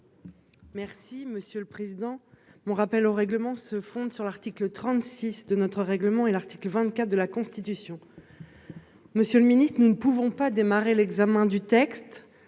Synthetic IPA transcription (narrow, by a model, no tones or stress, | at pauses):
mɛʁsiməsjøləpχezid̪ɑ̃mɔ̃ʁapɛloʁɛɡləmɑ̃səfɔ̃d̪syʁlaʁt̪iklət̪χɑ̃t̪sisd̪ənɔt̪χəʁɛɡləmɑ̃ɛlaʁt̪i̥kləvɛ̃t̪kʲat̪̚d̪əlakɔ̃st̪it̪ysjɔ̃ | məsjøləminist̪χənunəpuvɔ̃pad̪emaʁelɛɡzamɛ̃d̪yt̪ɛkst̪